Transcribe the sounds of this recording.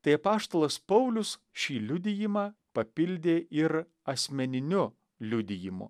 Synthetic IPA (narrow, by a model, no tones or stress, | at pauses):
t̪ɐɪɐpɑːʃt̪oːlˠɐspɐʊlʲʊs | ʃʲiːlʲʊd̪ʲɪjɪmɑːpɐpʲɪlʲd̪ʲeːʔɪɾ | ɐsʲmʲɛnʲɪnʲʊ | lʲʊd̪ʲɪjɪmʊ̰